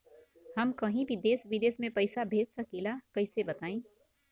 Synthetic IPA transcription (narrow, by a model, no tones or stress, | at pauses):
həmkʌɦĩbid̪esbid̪esmẽpəjsabʱed̪səkilakəjsebət̪aĩ